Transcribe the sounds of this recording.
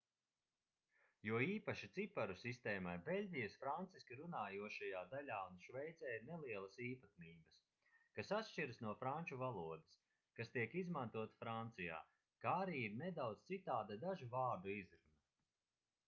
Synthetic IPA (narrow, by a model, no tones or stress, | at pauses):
juɔiːpaʃit̪sipaɾusist̪eːmajbelʲɟʲijasfɾant̪siskʲiɾunaːjuɔʃajaːd̪alʲaːunʃvɛjt̪zɛːjneliɛlˠɐsiːpat̪̚miːbɐs | kasat̪ʃt͡ʃiɾɨsnuɔfɾanʲt͡ʃuvalˠuɔd̪e̥s | kast̪iɛkizmant̪uɔt̪ḁfɾant̪sija̰ː | kaːɾiːbined̪awd̪z̥t̪sit̪aːd̪ad̪aʒuvaːɾd̪uizɾuna